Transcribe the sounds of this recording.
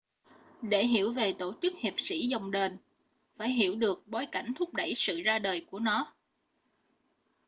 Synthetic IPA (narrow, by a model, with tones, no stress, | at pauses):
ɗe˧˩ɦi˧˩əwve˨˩t̪o˧˩t͡ɕɨ˦˥k̚hi˨˩əp̚sḭ˧˥zɔ˨˧˩wŋ͡mɗe˧˩n | faː˧˩jɦi˧˩əwɗɨ˨˩ək̚ɓo˨˦jka˧˩jŋ̟t̪ʰʊ˦˥k͡p̚ɗə˧˩jsɨ̰˧˨zaː˧ɗəː˨˩jku˧˩ənɔ˨˦